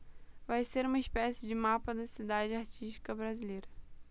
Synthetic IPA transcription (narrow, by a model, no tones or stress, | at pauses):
vajseɾũmɐispɛsɪd͡ʒɪmapɐd̪ɐsid̪ad͡ʒɪaɾt͡ʃiʃt͡ʃi̥kɐbɾazilejɾɐ